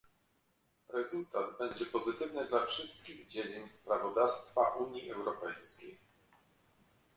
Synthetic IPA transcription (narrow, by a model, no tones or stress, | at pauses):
ɾɛzult̪ad̪bɛɲd͡ʑɛpɔzɘt̪ɘvnɘd̪lafʂɘst̪̚kʲiɣd͡ʑed͡ʑiɲpɾavɔd̪afst̪faʔuɲjiʔɛwɾɔpɛjskʲej